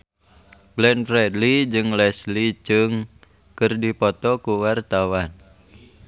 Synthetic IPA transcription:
ɡ̥lɛnfɾɛdlid͡ʒɨŋlɛslid͡ʒɨŋ | kɨrdipɔt̪ɔkuwart̪awan

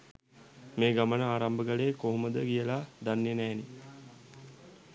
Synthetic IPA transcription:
meːɡamənəaːɾambəɡəlekoɦuməd̪əɡijəlad̪anːenɛːni

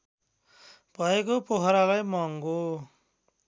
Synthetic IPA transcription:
pʌek̬opoɦʌɾalajmʌŋɡo

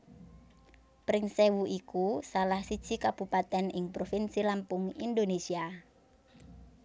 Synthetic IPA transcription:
pɾɪŋsewuʔikusalahsid̥ʒ̥i̤kab̥upat̪ɛnɪŋpɾofinsilampʊŋḭnd̪onesia

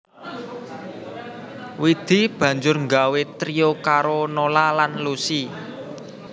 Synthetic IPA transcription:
wid̪̥i̤b̥ä̤ɲd͡ʒʊrŋɡawet̪ɾiokaɾonolalanlusi

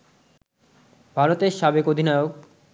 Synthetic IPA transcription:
bʱaɾot̪eɾʃabekod̪ʱinajok̚

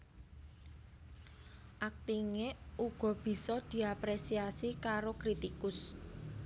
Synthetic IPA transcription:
ʔak̚t̪iŋeuɡ̥ɔ̤b̥i̤sɔd̪̥i̤apɾesiasikaɾokɾit̪ikʊs

